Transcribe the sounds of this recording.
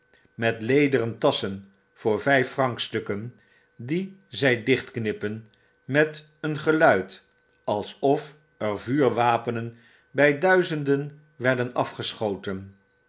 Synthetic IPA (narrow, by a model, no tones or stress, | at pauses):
mɛtlejdərəntɑsən | v̥ʊːɹvɛjfːrɑŋkstɵkən | dizɛjdɪχtknɪpən | mɛt | ənχəlœɥt | ɑlˠsɔf | əɹvyːɹʋaːpənən | bɛjdœɥzəndən | ʋɛɹdənɑfχəsχowtən